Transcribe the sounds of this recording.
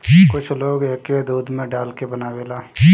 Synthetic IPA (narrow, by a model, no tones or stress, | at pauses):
kʊt͡ʃʰloːɡeːked̪uːd̪mẽɖaːlkebənaːʋeːlaː